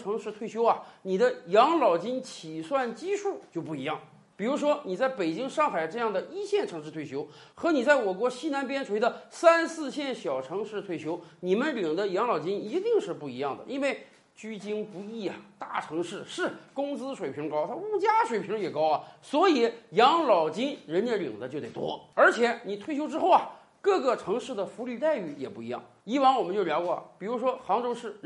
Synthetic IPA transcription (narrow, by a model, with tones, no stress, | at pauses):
ʈ͡ʂʰɤ˧˥ŋʂɻ̩˥˧t̪ʰwe˥˩ɪɕjo˥ʊɐ˨ni˨˩d̪ə˦jɑ˧˥ŋlɑ˨˩ʊt͡ɕi˥nt͡ɕʰi˨˩swa˥˩nt͡ɕi˥ʂʰu˥˩t͡ɕjo˥˧ʊpu˥˩i˧˥jɑ˥˩ŋ | pi˨˩ɻu˧˥ʂwɔ˥ni˨˩t͡sa˥˩ɪpe˨˩ɪt͡ɕi˥ŋʂɑ˥˩ŋxa˨˩ɪʈ͡ʂɤ˥˧jɑ˥˩ŋd̪ə˩i˥ɕjɛ˥˩nʈ͡ʂʰɤ˧˥ŋʂɻ̩˥˧t̪ʰwe˥˩ɕjo˥ʊ | xɤ˧˥ni˨˩t͡sa˥˩ɪwɔ˨˩kwɔ˧˥ɕi˥na˧˥npjɛ˥nʈ͡ʂʰu˨˩e˥d̪ə˧sa˥nsɹ̩˥˧ɕjɛ˥˩nɕjɑ˨˩ʊʈ͡ʂʰɤ˧˥ŋʂɻ̩˥˧t̪ʰwe˥˩ɪɕjo˥ʊni˨˩mə˦nli˨˩ŋd̪ə˦jɑ˧˥ŋlɑ˨˩ʊt͡ɕi˥ni˧˥t̪i˥˧ŋʂɻ̩˥˧pu˥˩i˧˥jɑ˥˩ŋd̪ə̰˩ʔi˥nwe˥˩ɪ | t͡ɕy˥t͡ɕi˥ŋpu˧˥i˥˩ɐ˩t̪a˥˩ʈ͡ʂʰɤ˧˥ŋʂɻ̩˥˩ʂɻ̩˥˧kʊ˥ŋt͡sɹ̩˥ʂwe˨˩ɪpʰi˧˥lə˧kɑ˥ʊt̪ʰa˥u˥˩t͡ɕja˥ʂwe˨˩ɪpʰi˧˥ŋljɛ˨˩kɑ˥ʊɐ˨˩swɔ˧˥i˨˩˦jɑ˧˥ŋlɑ˨˩ʊt͡ɕi˥nɻə˧˥nt͡ɕɛ˥˩li˨˩ŋd̪ə˦t͡ɕjt̪e˥˩t̪wɔ̰˥ə˞˧˥t͡ɕʰjɛ˧˥ni˨˩t̪ʰwe˥˩ɪt͡ɕjo˥ʊʈ͡ʂɻ̩˥xo˥˩ʊɐ˨˩ | kɤ˥˧˩ɡə˩ʈ͡ʂʰɤ˧˥ŋʂɻ̩˥˩d̪ə˩fu˧˥ly˥˧t̪a˥˧ɪy˥˩jɛ˨˩pu˥˩i˧˥jɑ̰˥˩ŋ | i˥wa˧˥nwɔ˨˩mə˦nt͡ɕjljɑ˧˥ʊkwɔ˥˩ɐ̰˨˩pi˨˩ɻu˧˥ʂwɔ˥xɑ˧˥ŋʈ͡ʂo˥ʊʂɻ̩˥˩